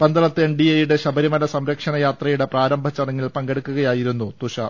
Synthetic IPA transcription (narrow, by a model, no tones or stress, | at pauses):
bɐnd̪ɐlɐt̪ːɨenɖiejuɽe̞ɕɐbɐɾimɐlɐsɐmɾɐkʂɐɳɐjaːt̪rɐjuɽe̞praːɾɐmbʱɐt͡ɕːɐɽɐŋːilpɐŋɡeɽukːuɣɐjaːjiɾunːut̪uɕɐ